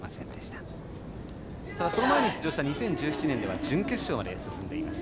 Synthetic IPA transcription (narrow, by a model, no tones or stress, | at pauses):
masẽ̞nd̪eɕi̥t̪ḁ | t̪ad̪aso̞no̞maeɲ̟içt͡sɨʑo̞ːɕi̥t̪aɲ̟isẽ̞ɲ̟d͡ʑɨːçi̥t͡ɕinẽ̞nd̪e̞βa̰d͡ʑɨ̃ŋkʲe̥ɕo̞ːmad̪e̞sɨsɨ̃nd̪e̞ima̰sɨ̥